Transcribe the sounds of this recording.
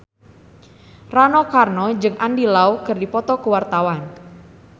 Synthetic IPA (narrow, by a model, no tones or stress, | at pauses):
ranɔkarnɔd͡ʒɨŋʔandilaukərdipɔt̪ɔkuwart̪awan